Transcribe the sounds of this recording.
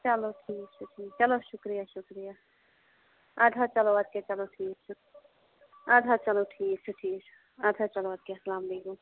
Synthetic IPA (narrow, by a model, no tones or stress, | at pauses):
t͡ʃɐloʈʰiːk̚t͡ʃʰuʈʰiːk̚t͡ʃɐloʃukɾijaʃukɾija | ad̪ʱat͡ʃɐload̪̚ket͡ʃɐloʈʰiːk̚t͡ʃʰu | ad̪ʱat͡ʃɐloʈʰiːk̚t͡ʃʰuʈʰiːk̚t͡ʃʰu | ad̪ʱat͡ʃɐload̪̚kesɐlaːmleko